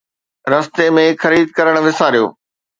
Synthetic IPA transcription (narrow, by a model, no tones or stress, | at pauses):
ɾɐst̪emẽxɐɾiːd̪̚kɐɾəɽ̃ʋɪsaːɾijo̰ː